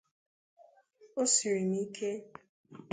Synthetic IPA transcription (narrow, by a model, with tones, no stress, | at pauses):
o˦si˨ɾi˨ni˦kʰe˦